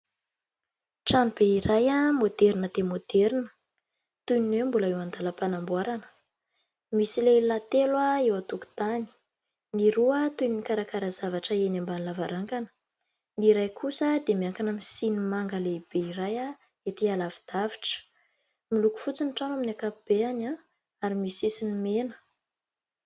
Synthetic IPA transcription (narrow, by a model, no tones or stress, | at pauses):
ʈ͡ʂanubeiɾajamod̪ɛɾinəd̪̥emod̪̥ɛɾinə̥ | t̪ujninewmbuləewand̪aləpanambwaɾanə̥ | misilelat̪elwaewat̪uku̥t̪ani̥ | niɾuət̪uj̪inikaɾakaɾazavaʈ͡ʂəenambanlavaɾaŋkanə̥ | niɾajkʰusəd̪emiaŋkanamisinimaŋɡaleib̥eiɾaja | et̪ialavid̪̥aviʈ͡ʂə̥ | miluku̥fut͡sinʈ͡ʂanaminakapb̥eana | aɾimisisinimenə̥